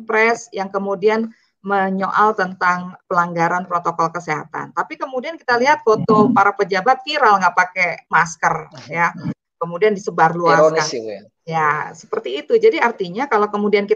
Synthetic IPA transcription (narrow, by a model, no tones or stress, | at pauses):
pɾɛsjaŋkəmudian | məɲoʔalt̪ənt̪aŋpəlaŋɡaɾanpɾot̪okɔlkəseɦa̰t̪a̰nt̪apikəmudiankit̪aliɦat̪̚fot̪opaɾapəd͡ʒabat̪̚fiɾalŋɡapakɛmaskərja | kəmudiandisəbarluaska | jasə̥pərt̪iːt̪ud͡ʒadiart̪iɲakalawkəmudianki